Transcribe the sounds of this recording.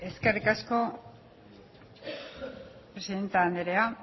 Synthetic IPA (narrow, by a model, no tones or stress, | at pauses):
e̞ske̞rikasko̞ | pɾesiðe̞nt̪aːnd̪eɾea